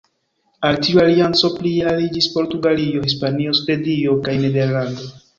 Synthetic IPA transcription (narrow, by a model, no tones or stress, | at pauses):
altiualiant͡so̞pliaɾid͡ʒispo̞ɾtuɡalio̞hispanio̞sve̞dio̞kajnede̞ɾlando̞